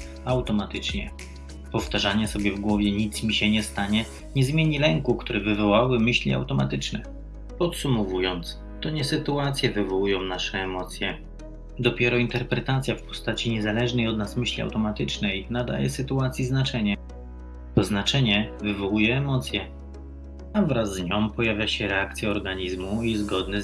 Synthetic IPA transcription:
awt̪ɔmat̪ɘt͡ʂɲɛ | pɔft̪aʐaɲɛsɔbʲjɛvɡwɔvʲjɛɲit̪smʲiɕɛɲɛst̪aɲɛ | ɲɛzmʲjeɲilɛŋkukt̪uɾɛvɘvɔwawɘmɘɕlʲia̰wt̪ɔma̰t̪ɘt͡ʂnɛ | pɔt̪sumɔvujɔnt̪s | t̪ɔɲɛsɘt̪uat̪sʲjɛvɘvɔwujɔ̃w̃naʂɛːmɔt̪sʲjɛ | d̪ɔpʲjɛɾɔint̪ɛɾpɾɛt̪at̪sʲjafpɔ̥st̪at͡ɕiɲɛzalɛʐnɛjɔd̪nasmɘɕlʲia̰wt̪ɔmat̪ɘt͡ʂnɛjnad̪a̰jɛ̰sɘt̪uat̪sʲjiznat͡ʂɛɲɛ | t̪ɔznat͡ʂɛɲɛvɘvɔwujɛːmɔt̪sʲjɛ | avɾazːɲɔ̃mpɔjavʲjaɕɛɾɛakt̪sʲjaɔɾɡaɲizmuizɡɔd̪nɛ

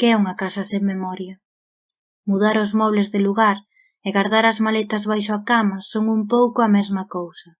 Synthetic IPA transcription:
keɛuŋɐkasɐseŋmemɔɾjɐ | muðaɾʊzmɔβlezðɪluɣaɾ | eɣaɾðaɾɐzmalet̪ɐzβajʃ̬ʊakamɐsoŋumpowkʊɐmɛzmɐkowsɐ

